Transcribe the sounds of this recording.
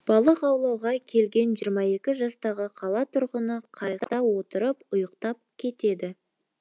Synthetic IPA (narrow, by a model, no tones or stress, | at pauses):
b̥ɑlˠəqɑwlˠɑwʁɑkʲʰe̞lɡʲe̞nʒijəɾmɑje̞kʲɪʒɑst̪ɑʁəqʰɑlˠɑt̪ʰʊɾʁənəqʰɑjt̪ɑwo̞t̪əɾəpʊjəqt̪ɑp̚kʲʰe̞t̪e̞d̪ɪ